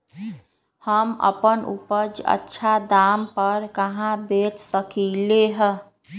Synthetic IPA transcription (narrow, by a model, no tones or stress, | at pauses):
həmə̰pənṵpəd͡ʒə̰tːʃʰad̪aːmpəɾkəɦãbeːt̪səkileɦə̃